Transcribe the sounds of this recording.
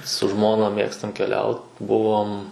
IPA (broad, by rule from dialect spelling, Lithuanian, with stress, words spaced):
sʊ ˈʒmoːnɐ ˈmʲeːkstɐm kʲɛˈlʲɛʊt ˈbʊʋoːm